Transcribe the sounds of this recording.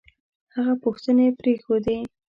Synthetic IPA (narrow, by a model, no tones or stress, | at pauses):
haɣapʊxt̪ənepɾexod̪e